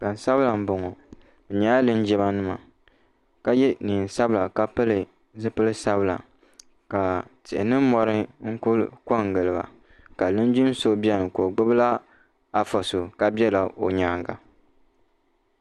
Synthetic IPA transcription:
ka˨n˨sa˦bɨ˦la˨m̩˦bo˨ŋɔ˨ | b̩˨ɲa˨˦a˦lɨ˦n˦d͡ʒɛ˦βa˦nɨ˦ma̰˨ | ka˦jɛ˦niː˨n̩˨sa˦bɨ˦la˨ka˦pɨ˦lɨ˨ | zɨ˦pɨ˦lɨ˦sa˦bɨ˦la̰˨ | ka˨tɪ˨ʔɪ̰˨nɨ˦m˦mɔ˨ɾɨ˦ŋ̩˦kʊ˦l̰kɔ˦ŋ˨ɡɨ˨lɨ˨ba̰˨ | ka˨lɨ˦n˦d͡ʒi˦n˦so˦bi˦ɛ˦nɨ˨ko˨ɡ͡bɨ˦bɨ˦la˦ | a˨fɔ˨so˨ka˦bɛ˦la˨o˨ɲaː˦ŋɡa˨

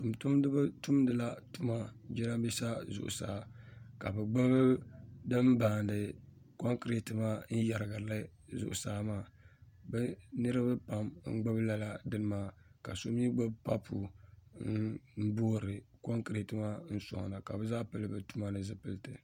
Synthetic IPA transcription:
tu˨mtu˦mdɨ˦ba˦tu˦mdɨ˨la˦tu˦ma˦d͡ʒɛ˦na˦bi˦sa˦zʊ̰˨ʔʊ̰˨sa̰ː˨˦ka˨bɛ˨ɡ͡ba˦bdɨ˦m˦baː˨n˨dɨ˨ | ko˦ŋkɨ˨ɾe˨tɨ˦ma˦n̩˦ja˨ɾɨ˨ɡa˨la˦ | zʊ̰˨ʔʊ̰˨saː˦maː˦˨bɛ˦nɨ˦ɾɨ˦bɨ˦pa˨mŋ̩˦ɡ͡ba˦bɨ˦la˦la˦dɨ˦nɨ˦maː˦˨ka̰˨so˦mi˦ɡ͡bo˦bpa˦pʰu˨n̩˦bo˦ɾɨ˨ko˦ŋkɨ˨ɾe˨tɨ˦ma˦n̩˦sɔ̰˨ŋ˨na˨ka̰˨bɨ˦zaː˦pɨ˦lɨ˦bɨ˨tu˦ma˦nɨ˦zɨ˦pɨ˦ltɨ˨

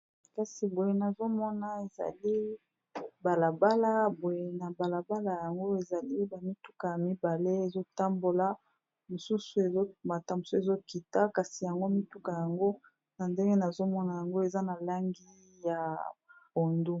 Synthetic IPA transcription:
ka˨si˨bo˨je˨na˨zo˦mɔ˦na˨e˨za̰˨li˦ | ba˨la˨ba˦la˦bo˨je˨na˨ba˨la˨ba˦la˨ja˨ŋɡo˦e˨za˨li˦ba˨mi˦tu˦ka˨ja˨mi˦ba˨le˦e˨zo˦ta˦mbo˨la˦ | mo˨su˦su˨e˨zo˦u˨ma˨ta˨mo˨se˨zo˦ki˨ta˦ka˨si˨ja˨ŋɡo˦mi˦tu˦ka˨ja˨ŋɡo˦ | na˨nde˦ŋɡe˦na˨zo˦mɔ˦na˨ja˨ŋɡo˦e˨za˦na˨la˦ŋɡi˦ | ja˨bo˨ndu˦

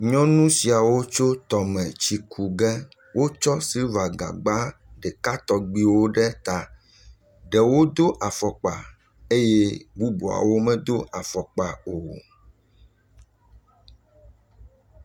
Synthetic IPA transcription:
ɲɔ̃˦nũ˦si˨a˨wo˦t͡ʃo˦t̪ɔ˨mɛ̃˨t͡ɕi˨kʰu˨ɡɛ˦ | wʔo˦t͡ʃɔ˦si˦va˨ɡa̰˨ɡ͡ba˦ɖɛ˨ka˦t̪ɔ˨ɡ͡bi˨wo˦ɖɛ˦t̪a˨ | ɖɛ˨wo˦d̪o˦ʔa˨fɔ˨k͡pa̰˨ | e˦jɛ˦bu˦bu˨a̰˨wo˦mɛ̃˦d̪o˦ʔa˨fɔ˨k͡pa˨o˨

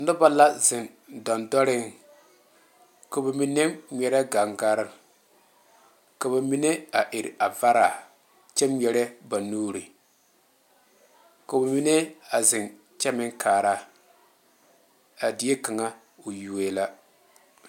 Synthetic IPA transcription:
nʊ˦ba˦la˦zɪ˨n | dɔ˨ndɔ˦ɾɪ˦ŋ | ka˨ba˨mi˦ne˦mɲʲɛ˨ɾɛ˦ɡa˨ŋɡa˦ɾɪ˦ | ka˨ba˨mi˦ne˦a˨ʔɪ˨ɾa˨va˦ɾa˨ | t͡ʃɛ˦mɲɛ˨ɾɛ˦ba˨nuː˦ɾi˨ | ka˨ba˨mi˦ne˦a˨zɪ˨n | t͡ʃɛ˦mɪ˦ŋkʰaː˨ɾa˦ | a˨di˨˦e˦ka˨ŋa˦ | o˨ju˨weː˦la˦

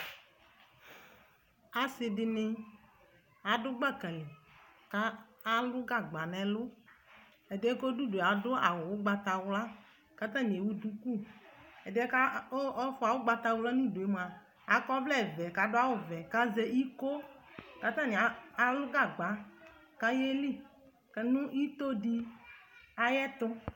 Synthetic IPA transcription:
a˨sɪ˨dɪ˦nɪ˦ | a˨dʊ˦ɡ͡ba˦˨kɛ˨lɪ˨ka˦ | a˦lʊ˦ɡa˦˨ɡ͡ba˨nɛ̃˨lʊ˦ | ɛ˨dɪ˦ɛ˦ko˦du˦de˨a˨dʊ˦a˨wʊ˨wʊ˦ɡ͡ba˨t̪a˨wla˦ | ka˦t̪ã˦ɲe˨wu˦du˦ku˦˨ɛ˨dɪ˦ɛ˦ka˦ɔ˦fʊ˦a˨wʊ˦ɡ͡ba˦t̪a˧wʊ˦la˦nũ˦˨do˨e˦m˨a˨ | a˨kɔ˦vlɛ˦˨vɛ˨ka˨dʊ˦a˦wʊ˦˨vɛ˨ka˦ze˦ʔi˦ko˦ka˨t̪ã˦˨ɲɛ˨aː˨lʊ˦ɡa˦˨ɡ͡ba˨˦ | ka˦je˦li˦ | kɛ˨nʊ̃˦i˦t̪o˦di˦ | a˨jɛ˦t̪ʊ˦

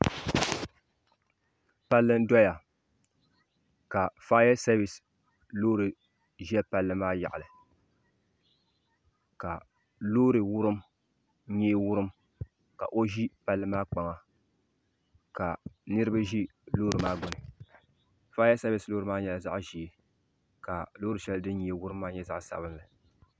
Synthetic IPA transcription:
pa˦lːɨ˦n̩˦dɔ˦ja˨ | ka˨faː˦ja˦sa˦bɪ˨s | loː˦ɾɨ˨ | ʒɛ˦pa˨lːɨ˦maː˦ja̰˨ʔa˨lɨ˨ | ka˨ | loː˦ɾɨ˨wʊ˦ɾɨ˦m | ɲɛː˦wʊ˦ɾɨ˦m | ka̰˨ʔo˦ʒi˦pa˨lːɨ˦maː˦k͡pa˨ŋa˨ | ka˨nɨ˦ɾɨ˦ba˦ʒi˦loː˦ɾɨ˨maː˦ɡʊ˨nɨ˨ | faː˦ja˦sa˦bɪ˨sloː˦ɾɨ˨˦maː˦ɲɛ˨la˨za̰˦ʔʒi˨e˨ | ka˨loː˦ɾɨ˨ʃɛ˦ldɨ˦ɲe˨˦˨wʊ˦ɾɨ˦mːaː˦ɲɛ˦za˦ʔsa̰˨bɨ˦nla˨

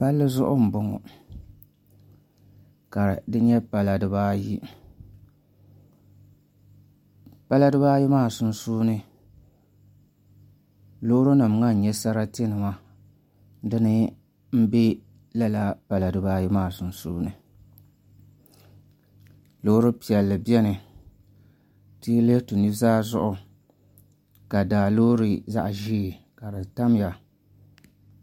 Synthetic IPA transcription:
pa˦lːɨ˦zʊ˦ʔʊ̰˦m̩˨bʊ˦ŋɔ̰˨ | ka˨dɨ˦ɲɛ˦pa˨la˨dɨ˦ba˦ji˦ | pa˦la˦dɨ˦baː˦ji˦maː˦˨sʊ˨n˦suː˦nɨ˦ | loː˦ɾʊ˦na˨m˨ŋa˦n̩˨ɲɛ˦sa˦ɾa˦tɪ˦nɨ˨ma˦ | dɨ˦nɨ˦ | m̩˦be˦ | la˦la˦pa˨la˨dɨ˨baː˦ji˦maː˦˨sʊ˨n˨sṵː˦nɨ˨ | lo˦ɾɨ˦pi˨ɛ˨lːɨ˨bi˦ɛ˦nɨ˨ | ti˦le˦tɨ˨nɨ˦zaː˦zʊ˦ʔʊ˨ | ka˨daː˨loː˦ɾi˦za̰˦ʔʒiː˦˨ | ka˨dɨ˨ta˦m˦ja˨

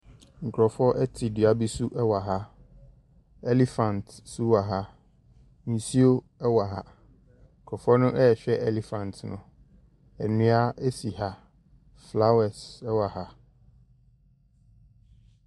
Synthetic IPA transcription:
ŋ̩˨kʰɾɔ˨fɔ˦ʔɛ˦tʰi˨dɥa˦bi˦su˦ʔɛ˦wa˨ɦa˦ | ɛ˦li˨fã˨ntsu˦wa˨ɦa˦ | n̩˨si˦o˦ | ɛ˦wa˨ɦa̰˦ | ŋ̩˨kʰɾɔ˨fɔ˦nʊ̃˦ʔɛ˦ɛ˨ɕᶣɛ˦ʔɛ˦˨le˨fã˨ntʰnʊ̃˨ | ɛ˨nĩ˦a˦e˦si˨ha˦ | fla˦wɛ˨sɛ˦wa˨ha˦

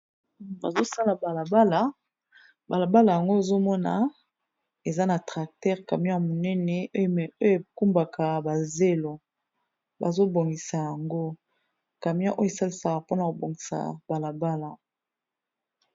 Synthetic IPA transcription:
ba̰˨zo˦sa˦la˨ba˨la˨ba˦la˨ | ba˨la˨ba˦la˨ja˨ŋɡo˦e˨zo˦mɔ˦na˨ | e˨za˦na˨tʁa˨k̚tɛ˦ʁka˨mi˦a˦mo˨nɛ˦nɛ˨o˦jmɛ˨o˦jo˦e˨ku˦mba˨kʰa˨ba˨ze˦lo˨ | ba˨zo˦bo˨ŋɡi˨sa˨ja˨ŋɡo˦ | ka˨mi˦a˦ʔo˦je˨sa˦li˨sa˨ka˨po˦na˨ko˨bo˨ŋɡi˨sa̰˨ba˨la˨ba˦la˨

